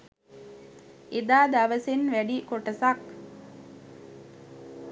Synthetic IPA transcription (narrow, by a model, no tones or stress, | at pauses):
ʔed̪aːd̪aʋɐsenʋæɖikoʈɐsak